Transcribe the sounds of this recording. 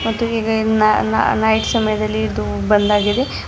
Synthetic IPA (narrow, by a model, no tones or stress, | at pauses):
mɐt̪ːuiːɡɐnn̰nɐjʈsɐmɐjɐd̪ɐlːiːd̪ubɐnd̪aːɡid̪e̞